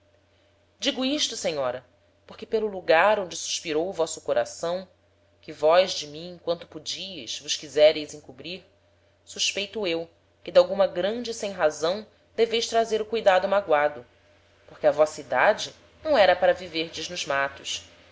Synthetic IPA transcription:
d͡ʒiɡuiʃt̪ʊsẽɲɔɾɐ | poɾkɪpelʊluɡaɾõd͡ʒɪsu̥ʃpiɾowvɔsʊkoɾʔasɐ̃w̃ | kɪvɔjzd͡ʒɪmĩẽkwɐ̃nt̪ʊpud͡ʒiɪzvʊʃkizɛɾejzĩŋkubɾiɾ | suʃpejt̪uew | kɪd̪awɡũmɐɡɾɐ̃d͡ʒɪsẽj̃ɦazɐ̃w̃ | d̪evejʃt̪ɾazeɾʊkujd̪ad̪ʊmaɡwad̪ʊ | poχkɪɐvɔsɐid̪ad͡ʒɪ | nɐ̃w̃ɛɾɐpaɾɐviveɾd͡ʒɪznʊzmat̪ʊʃ

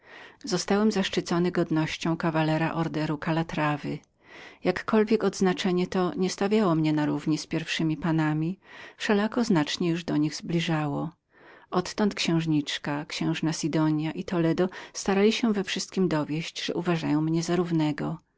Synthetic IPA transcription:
zɔst̪awɛmzaʂt͡ʂɨt̪sɔnɘɡɔd̪nɔɕt͡ɕɔ̃w̃kavalɛɾa̰ʔɔɾd̪ɛɾukalat̪ɾavɘ | jakːɔlvʲjɛkɔd̪znat͡ʂɛɲɛt̪ɔɲɛst̪avʲjawɔmɲɛnaɾuvɲispʲjɛɾfʂɘmʲipanamʲifʂɛlakɔznat͡ʂɲɛjuʐd̪ɔɲiɣzblʲiʐawɔ | ʔɔt̪ːɔnt̪kɕɛ̃w̃ʐɲit͡ʂkakɕɛ̃w̃ʐnasʲid̪ɔɲjaʔit̪ɔlɛd̪ɔst̪aɾalʲiɕɛvɛfʂɘst̪̚kʲimd̪ɔvʲjɛɕt͡ɕʐ̥ɛ̰ʔuvaʐajɔ̃w̃mɲɛzaɾuvnɛɡɔ

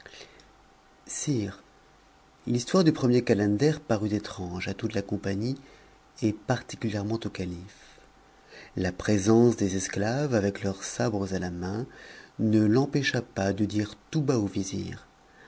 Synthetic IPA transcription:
siːʁ | list̪waʁd̪ypχəmjekalɛ̃d̪ɛʁpaʁyt̪et̪χɑ̃ʒat̪ut̪lakɔ̃paɲi | epaʁt̪i̥kʲyljɛʁmɑ̃t̪okalif | lapχezɑ̃sd̪ezɛsklavavɛklœʁsabʁəzalamɛ̃nəlɑ̃pɛʃapad̪əd̪iʁt̪ubaovizḭːʁ

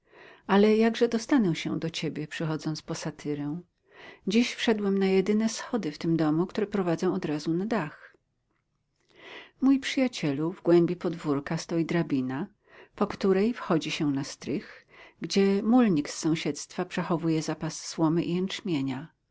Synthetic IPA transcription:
ʔalɛjaɡʐɛd̪ɔst̪anɛw̃ɕɛ̰̃d̪ɔt͡ɕebʲjɛpʂɛxɔd̪zɔnt̪spɔsat̪ʰɘɾɛw̃ | d͡ʑiɕfʂɛd̪wɛmnajɛd̪ɘnɛsxɔd̪ɘft̪ɘmd̪ɔmukt̪uɾɛpɾɔvad̪zɔ̃w̃ɔd̪ɾazunad̪ax | mujpʂɘjat͡ɕɛluvɡwɛmbʲipɔd̪vuɾkast̪ɔjid̪ɾabʲina | pɔkt̪uɾɛjfxɔd͡ʑiɕɛnast̪ɾɘx | ɡd͡ʑɛmulɲiksːɔ̃w̃ɕɛt̪st̪fapʂɛxɔvujɛzapasːwɔmɘʔiɛnt͡ʂmʲjeɲa

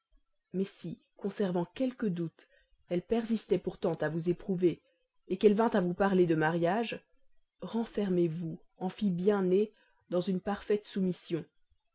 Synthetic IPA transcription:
mɛsi | kɔ̃sɛʁvɑ̃kʲɛlkəd̪ut̪ | ɛlpɛʁzist̪ɛpuʁt̪ɑ̃t̪avuzepχuveː | kɛlvɛ̃t̪avupaʁled̪əmaʁjaʒ | ʁɑ̃fɛʁmevu | ɑ̃fibjɛ̃ne | d̪ɑ̃zynpaʁfɛt̪sumisjɔ̃

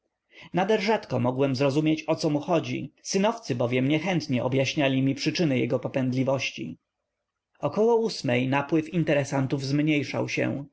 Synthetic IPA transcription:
nad̪ɛɾʐat̪kɔmɔɡwɛmzɾɔzumjet͡ɕɔt̪sɔmuxɔd͡ʑḭsɘnɔft̪sɘbɔvʲjɛmɲɛxɛnt̪ɲɛʔɔbjaɕɲalʲimʲipʂɘt͡ʂɘnɘjɛ̰ɡɔpɔpɛnd̪lʲivɔɕt͡ɕḭ | ɔkɔwɔusmɛjnapwɘfint̪ɛɾɛsant̪uvzmɲejʂa̰wɕɛ̰w

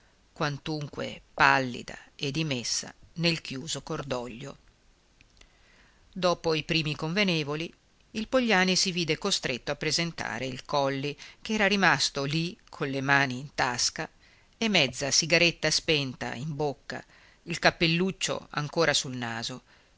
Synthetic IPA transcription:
kwant̪uŋkwḛpalːḭd̪a̰ed̪imesːa̰nelkjuːzokord̪ɔʎːo̰ | d̪oːpoipɾiːmikoɱvenɛːvoli | ilpoʎːaːnisiviːd̪ekost̪ɾet̪ːoapːɾezent̪a̰ːɾeilkɔlːikɛːɾaɾimast̪olikʰonlemaːniːnt̪aska | emːɛd̪zːasiɡaɾet̪ːaspɛnt̪a̰imbokːa̰ | ilkapːelːut͡ʃːo̰a̰ŋkoːɾasulnaːzo

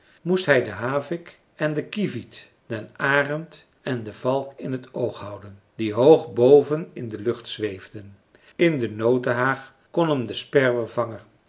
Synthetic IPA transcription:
mustɦɛjdəɦaːvɪk | ɛndəkivit | d̥ɛnaːrəmt | ɛndəvɑlˠkɪnɦətowχɦʌwdən | diɦowχbowvənɪndəlɵχtsʋejvdən | ɪndənowdəɦaːχ | kɔnəmdəspɛrʋərv̥ɑŋər

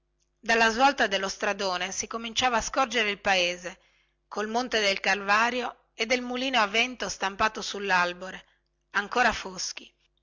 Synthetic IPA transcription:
d̪alːazvɔlt̪ad̪elːost̪ɾad̪oːnesikomint͡ʃaːvaːskɔrd͡ʒeɾeilpaeːze | kolmont̪ed̪elkarvaːɾjo | ed̪ːelmuliːnoavɛnt̪ost̪ampaːt̪osulːalboɾe | aŋkoːɾafosk̟i

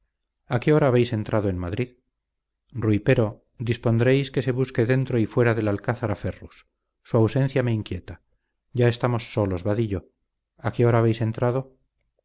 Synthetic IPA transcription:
ake̞o̞ɾaːβe̞jse̞nt̪ɾʔað̞oe̞nmaðɾið | ruipe̞ɾo̞ | d̪ispo̞nd̪ɾe̞jske̞se̞βuske̞ðe̞nt̪ɾo̞ifwe̞ɾaðelalkaθaɾafe̞rusː | uawse̞n̟θjame̞iŋkje̞t̪a | ɟ͡ʝae̞st̪amo̞sːo̞lo̞zβaðiʎo̞ | akeo̞ɾaːβe̞jsent̪ɾað̞o̞

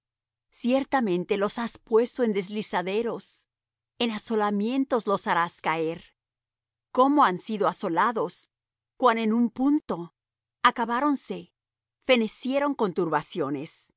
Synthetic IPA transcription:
sje̞ɾt̪amẽ̞nt̪e̞lo̞saspwe̞st̪o̞e̞nd̪ezlisaðe̞ɾo̞s | enaso̞lamje̞nt̪o̞zlo̞saɾaskae̞ɾ | ko̞mo̞ansiðo̞aso̞laðo̞s | kwanenumpunt̪o̞ | akaβaɾo̞nse̞ | fe̞ne̞sje̞ɾo̞ŋko̞nt̪uɾβasjo̞ne̞s

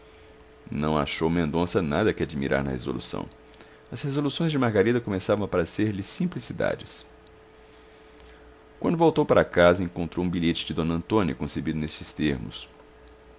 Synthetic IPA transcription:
nɐ̃w̃a̰ʃowmẽnd̪õsɐnad̪ɐkɪad͡ʒimḭɾʔa̰ɾnɐ̰hḛzo̰lṵsɐ̰̃w̃ | ɐshezolusõj̃zd͡ʒɪmaɾɡaɾid̪ɐkõmesavɐ̃w̃ɐpaɾɐseɾlɪsĩplisid̪a̰d͡ʒɪs | kwɐ̃nd̪ʊvowt̪owpaɾʔɐkazɐẽŋkõnt̪ɾowũbiʎet͡ʃɪd͡ʒɪd̪õnɐɐ̃nt̪õnjɐkõsebid̪ʊnest͡ʃɪst̪eɾmʊ̰s

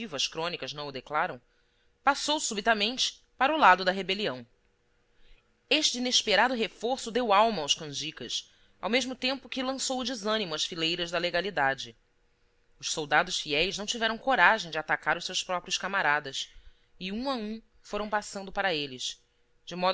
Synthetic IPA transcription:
ivʊɐskɾõnikɐznɐ̃w̃ʊd̪eklaɾɐ̃w̃ | pasowsubit̪ɐmẽnt͡ʃɪ̥ | paɾʊlad̪ʊd̪ɐɦebeliɐ̃w̃ | eʃt͡ʃɪineʃpeɾad̪ʊɦefoɾsʊd̪ewawmɐːwʃkɐ̃d͡ʒikɐs | a̰wmeʒmʊt̪ẽmpʊkɪlɐ̃sowʊd͡ʒizɐ̃nimʊɐsfilejɾɐʒd̪ɐleɡalid̪ad͡ʒɪ | ʊʃsowd̪ad̪ʊʃfiɛjʒnɐ̃w̃t͡ʃivɛɾɐ̃w̃koɾaʒẽj̃d͡ʒɪat̪akaɾʊʃsewspɾɔpɾiʊskamaɾad̪ɐs | ɪũaũ | foɾɐ̃w̃pasɐ̃nd̪ʊpaɾɐelɪs | d͡ʒɪmɔd̪

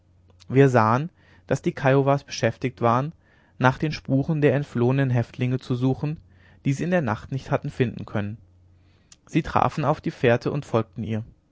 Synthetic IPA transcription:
viːɐzaːən | d̥asd̥iːkʰaɪovaːsb̥əʃɛftɪç̚tv̥aːʁ̞ənː | aːχd̥eːnʃpuːʁəndeːɐɛntfloːənənɦɛftʰlɪŋət͡suzuːχn̩ | d̥iːziːɪndeːɐna̰χtnɪçthatn̩fɪndn̩kʰœnən | z̥iːtʁ̥a̰ːfn̩aʊfd̥iːfeːɐtʰəʔʊntfɔlk̚tn̩ḭːɐ

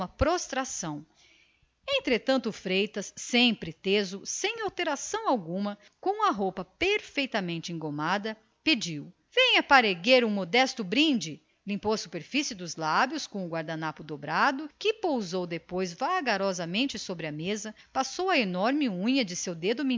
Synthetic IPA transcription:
ɐpɾost̪ɾasɐ̃w̃ | ẽnt̪ɾet̪ɐ̃nt̪ʊfɾejt̪ɐsːẽj̃pɾɪt̪ezʊsẽj̃awt̪eɾasɐ̃w̃awɡũmɐ | kõw̃ɐɦowpɐpeɾfejt̪ɐmẽnt͡ʃɪẽŋɡomad̪ɐ | ped͡ʒiw | v̥ẽj̃ɐpaɾeɡeɾũmod̪ɛst̪ʊbɾĩd͡ʒɪ | lĩmpowɐsu̥peɾfisɪd̪ʊzlabjʊskõʊɡwaɾd̪anapʊd̪obɾad̪ʊkɪpowzowd̪epojzvaɡaɾɔzɐmẽnt͡ʃɪsobɾɪɐmezɐpasowɐenɔɾmɪũɲɐd͡ʒɪsewd̪ed̪ʊmĩ

